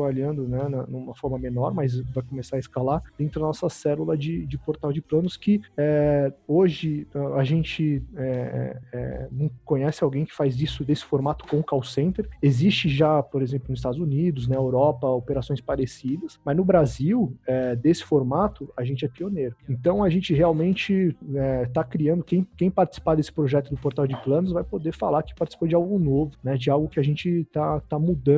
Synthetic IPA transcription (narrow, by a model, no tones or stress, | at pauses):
baʎiɐ̃nd̪ʊnɛnɐnũmɐfɔɾmɐmenɔɾmɐzvajkomesaɾɐiskalaɾd̥̪ẽnt̪ɾʊd̪ɐnɔsɐsɛlulɐd͡ʒɪd͡ʒɪpoɾt̪awd͡ʒɪplɐ̃nʊskɪɛoʒɪaaʒẽnt͡ʃɪɛɛ̰ɛ̰nɐ̃w̃kõɲɛsɪawɡẽj̃kɪ̥fajzisʊd̪esɪ̥foɾmat̪ʊ̥kõʊkawsẽnt̪eɾezist͡ʃɪʒapoɾezẽmplʊnʊzist̪ad̪ʊzunid̪ʊznɛewɾɔpɐopeɾasõj̃spaɾesid̪ɐsmɐznʊbɾaziwɛd̪esɪ̥foɾmat̪ʊaʒẽt͡ʃɪɛpioneɾʊẽnt̪ɐ̃w̃ɐʒẽnt͡ʃɪɦeawmẽnt͡ʃɪɛt̪akɾiɐ̃nd̪ʊkẽj̃kẽj̃paɾt͡ʃɪ̥si̥pad̪esɪ̥pɾoʒɛt̪ʊd̪ʊpoɾt̪awd͡ʒɪplɐ̃nʊzvajpod̪efalaɾkɪ̥paɾt͡ʃisi̥pod͡ʒɪawɡʊnovʊnɛd͡ʒɪawɡʊkɪaʒẽnt͡ʃɪt̪at̪amud̪ɐ̃